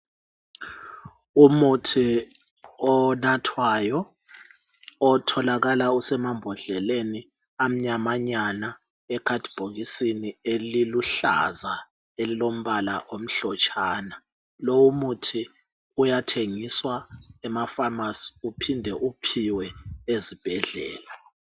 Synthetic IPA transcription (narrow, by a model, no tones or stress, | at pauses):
umutʰi | ɔnatʰwajɔ | ɔtʰɔlaɣalausɛmambʱɔɮɛleni | am̩ɲamaɲana | ɛkʰad̥ʱb̥ʱoɣisinieliluɬa̰za | elilom̩βalaʔom̩ɬɔt͡ʃʼʰaːna | lowumutʰi | ujatʰeŋiswaɛmafamasi̥upʰindʱɛʔupʰiwɛezib̥ʱɛɮɛ̰ːla